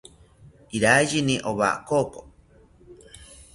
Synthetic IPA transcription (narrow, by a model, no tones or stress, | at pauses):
iɾajiniʔoβa̰koko